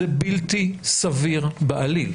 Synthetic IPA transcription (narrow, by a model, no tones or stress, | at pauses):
ebiltisaviʁbeʔalil